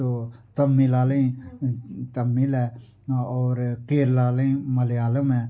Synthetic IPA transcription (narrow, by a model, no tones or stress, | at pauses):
oːt̪əmːilaːlẽĩ | t̪əmːilɛː | ɔːɾkeːɾlaːleĩməleaːləmɛː